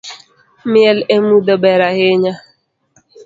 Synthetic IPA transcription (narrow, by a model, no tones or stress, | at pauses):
mjelemudobeɾaɣɪɲa